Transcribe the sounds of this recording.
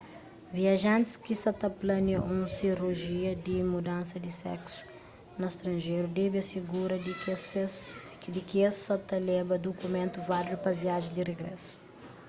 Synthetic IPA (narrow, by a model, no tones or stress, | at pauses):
viɐʒãnt̪i̥skisɐt̪ɐplɐnɐʔũsiruʒiɐd̪imud̪ãnsɐd̪isɛ̰ksu̥ | nɐst̪ɾɐ̃nʒejɾud̪ɛbiɐsiɡuɾɐ | d̪ikiessɐt̪ɐlɛbɐd̪okumẽnt̪uvallupɐviaʒẽd̪ireɡɾɛ̰su̥